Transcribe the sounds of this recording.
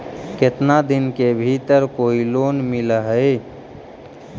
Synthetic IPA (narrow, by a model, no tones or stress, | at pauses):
ket̪nad̪ɪnkebʱit̪əɾkoːiloːnmɪləɦəe